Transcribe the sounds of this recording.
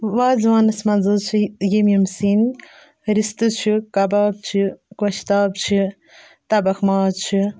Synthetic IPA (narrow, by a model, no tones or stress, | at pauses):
ʋaːzʋaːnɨsmɐnzɨt͡ʃʰijimjimsin | ɾist̪ɨt͡ʃʰikɐbaːb̚t͡ʃʰikwɐʃt̪aːbt͡ʃʰi | t̪ɐbɐxmaːzt͡ʃʰi